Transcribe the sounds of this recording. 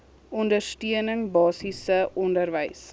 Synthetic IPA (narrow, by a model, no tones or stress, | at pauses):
ɔndərstiənəŋbɑːsisəʔɔndərvəjs